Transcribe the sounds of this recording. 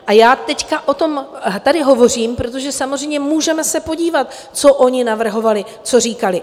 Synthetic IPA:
ʔajaːt̪ɛckaʔo̞t̪o̞mt̪adɪɦo̞vo̞r̝iːmpɾo̞t̪̬o̞ʒɛsamo̞zr̝ɛjmɲɛmuːʒɛmɛsɛpo̞ɟiːvat̪ | t͡so̞ʔo̞ɲɪnavr̩ɦo̞valɪ | t͡so̞riːkalɪ

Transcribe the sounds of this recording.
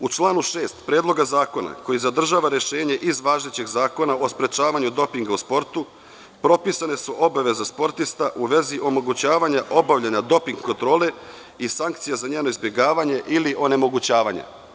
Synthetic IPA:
ut͡ʃlˠaːnuʃe̞ːst̪pɾe̞ːd̪lˠo̞ɡazaːko̞na̰ko̞jizad̪r̩ʒaːʋaɾje̞ʃe̞ːɲe̞ʔizʋaːʒet͡ɕeɡzaːko̞naʔo̞spɾe̞t͡ʃaːʋaɲud̪o̞piŋɡauspo̞ɾt̪u | pɾo̞pisane̞suʔo̞baʋe̞zaspo̞ɾt̪ist̪aʔuʋe̞ziʔo̞mo̞ɡut͡ɕaːʋaɲaʔo̞baʋʎaɲad̪o̞piŋɡko̞nt̪ɾo̞ːle̞ | isaŋk̚t̪sijazaɲe̞ːno̞izbje̞ɡaːʋaɲe̞ʔiliʔo̞ne̞mo̞ɡut͡ɕaːʋaɲa̰

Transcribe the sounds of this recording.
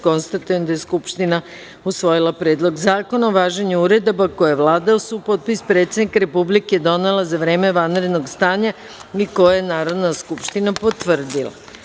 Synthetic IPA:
ko̞nst̪at̪ujemd̪ajeskupʃt̪ina | usʋo̞jilˠapɾeːd̪lˠo̞ɡzaːko̞naoʋaːʒeɲuuɾe̞d̪obakojeʋlˠaːd̪aosuupo̞t̪̚pispɾet̪sed̪nikaɾe̞publiked̪o̞nelˠazaʋɾeːme̞ʋanɾe̞d̪no̞ɡst̪aːɲa | iko̞jajenaːɾo̞d̪naskupʃt̪inapo̞t̪ʋr̩d̪ilˠa̰

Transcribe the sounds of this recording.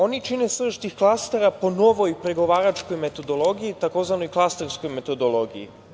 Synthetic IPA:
o̞nit͡ʃinesr̩ʃt̪ixklˠast̪eɾapo̞no̞ʋo̞jpɾeɡo̞ʋaːɾat͡ʃko̞jmet̪o̞d̪o̞lˠo̞ɡijit̪ako̞ːzʋano̞jklˠast̪eɾsko̞jme̞t̪o̞d̪o̞lˠo̞ɡijḭ

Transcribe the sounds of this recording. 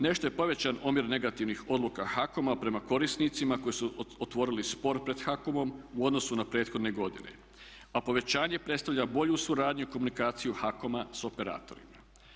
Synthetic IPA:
ne̞ʃt̪o̞je̞po̞ʋe̞t͡ɕanomiɾne̞ɡat̪iʋnixo̞d̪lukaxako̞mapɾe̞mako̞ɾisnit̪simako̞jisuot̪ʋo̞ɾilispo̞ɾpɾe̞d̪xakomo̞muo̞d̪no̞sunapɾe̞ːt̪xo̞d̪ne̞ɡo̞d̪ḭne̞̰ | apo̞ʋe̞t͡ɕaːɲe̞pɾet̪st̪aʋʎʲabo̞ʎusuɾaːd̪ɲuiko̞munikaːt̪sijuxako̞maso̞pe̞ɾa̰ːt̪o̞̰ɾḭma

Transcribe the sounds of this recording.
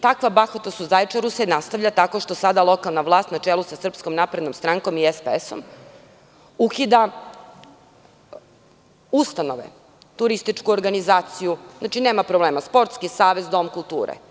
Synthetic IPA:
t̪akʋabaxot̪asuzajt͡ʃaɾusenast̪aʋʎat̪ako̞ʃt̪osad̪alˠo̞kalˠnaʋlˠaːst̪nat͡ʃelusasr̩psko̞mnapɾed̪nomst̪ɾaŋko̞miespeeso̞̰m | ukid̪a | ust̪ano̞ʋḛ | t̪uɾist̪it͡ʂkuoɾɡanizaːt̪sijuznat͡ʃineːmapɾobleːmaspo̞ɾt̪skisaːʋe̞zd̪o̞mkulˠt̪uːɾḛ

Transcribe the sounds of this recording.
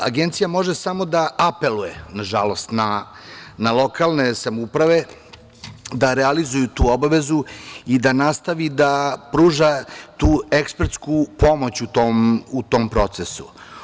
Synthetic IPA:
a̰ɡent̪sijamo̞ʒesamo̞d̪aʔape̞lujenaʒalo̞st̪na | nalˠo̞kalˠne̞samupɾaʋe̞ | d̪aɾealizujut̪uːo̞baʋe̞zuid̪anaːst̪aʋid̪apɾuːʒat̪uːekspeɾt̪skupo̞mo̞t͡ɕut̪oːmut̪o̞mpɾo̞t̪sesṵ

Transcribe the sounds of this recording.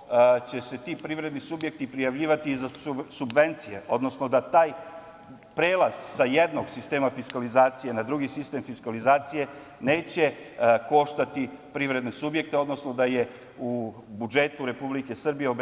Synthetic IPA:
t͡ɕe̞se̞t̪iːpɾiʋɾe̞d̪nisubje̞k̚t̪ipɾijaʋʎiːʋat̪izasubʋe̞nt̪sije̞̰ʔo̞d̪no̞sno̞d̪at̪aːj | pɾe̞ːlˠaz̥saje̞d̪no̞ɡsist̪e̞ːmafiskalizaːt̪sije̞nad̪ɾuɡisist̪e̞mfiskalizaːt̪sije̞ | ne̞ːt͡ɕe̞ | ko̞ʃt̪at̪ipɾiːʋɾe̞d̪nesubjek̚t̪e̞o̞d̪no̞sno̞d̪aje̞ | u | bud͡ʒe̞t̪uɾe̞publike̞sr̩bije̞ob

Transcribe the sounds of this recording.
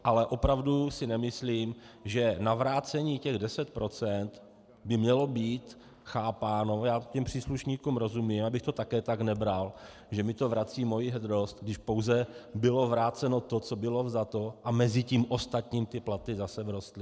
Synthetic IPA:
ʔalɛʔo̞pɾavdusɪnɛmɪsliːmʒɛnavɾaːt͡sɛɲiːcɛɣdɛsɛt̪̚pɾʔo̞t͡sɛnt̪ | bɪmɲɛlo̞biːt̪ | xaːpaːno̞jaːcɛmpr̝̥iːsluʃɲiːkuːmɾo̞zumimabɪxt̪o̞t̪akɛːt̪aknɛbɾal | ʒɛmɪt̪o̞vɾat͡siːmo̞jiɦɛd̪ɾost̪̚ɡdɪʃpo̞wzɛbɪlo̞vɾaːt͡sɛno̞t̪o̞t͡so̞bɪlo̞vzat̪o̞ʔamɛzɪciːmʔo̞st̪at̪ɲiːmt̪ɪplat̪ɪzasɛvɾo̞st̪lɪ

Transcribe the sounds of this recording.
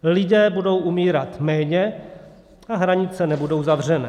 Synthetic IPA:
lɪdɛːbudo̞wʔumiːɾat̪mɛːɲɛ | ʔaɦɾaɲɪt͡sɛnɛbudo̞wzavr̝ɛnɛː

